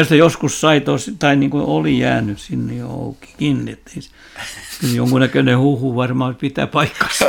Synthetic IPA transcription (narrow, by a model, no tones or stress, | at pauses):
ost̪ejoskussɑit̪ost̪ɑiniːŋkoolijæ̰ːnyssinːejo̰o̰uki̥kinːiet̪ːis | kyljo̰ŋkunækønehuhuʋɑrmɑpit̪æ̰pɑikːɑ̥s